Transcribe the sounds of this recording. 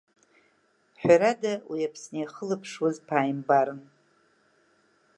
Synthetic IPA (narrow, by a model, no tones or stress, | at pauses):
ħʷᶣaɾadawʔiapʰsnejχəlɨpʰʂwazpʰaːjmbaɾɨn